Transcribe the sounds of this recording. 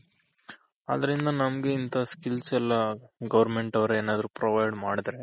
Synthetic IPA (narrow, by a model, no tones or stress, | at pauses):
a̰ːd̪ɐɾind̪ɐnɐmɐɡeint̪ʰɐskilsɛlːɐɡɐʋɐɾme̞ɳʈɐʋɐɾeeːnaːd̪ɐɾupɾoʋɐjɖmaːɽid̪ɐɾe